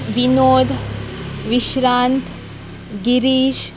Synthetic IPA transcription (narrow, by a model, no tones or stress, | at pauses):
ʋinoːd̪ʱ | ʋiʃɾaːnt̪ | ɡiɾiːʃ